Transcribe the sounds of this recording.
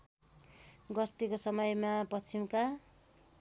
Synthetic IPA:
ɡʌst̪ikosʌmʌjmapʌt͡sʰimka

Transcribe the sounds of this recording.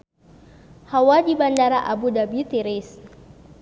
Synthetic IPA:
hawadibandaɾaʔabudabit̪iɾɪs

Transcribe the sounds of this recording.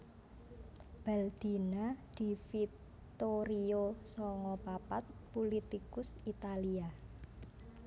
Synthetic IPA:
b̥ɛld̪̥i̤nad̪̥i̤fi | t̪oɾiosɔŋɔpapat̪̚pulit̪ikʊsit̪alia

